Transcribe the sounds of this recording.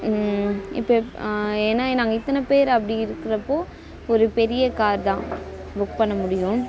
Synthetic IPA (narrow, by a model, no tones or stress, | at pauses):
ɪ̰pːoːeːnːaːnaːŋɡɐɪt̪ːɐnɐpeːɾɐpːɐɽɪiɪɾɯkːɪɾɐpːoː | ɔɾɯpɛɾɪjɐkaːɾd̪ãː | bʊkpɐɳːɐmʊɽɪjʊ̃